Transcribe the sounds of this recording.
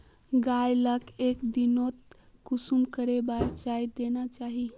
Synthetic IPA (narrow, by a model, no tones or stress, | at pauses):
ɡajləkekd̪inot̪̚ | kusumkəɾebaɾt͡ʃajd̪enat͡ʃaɦi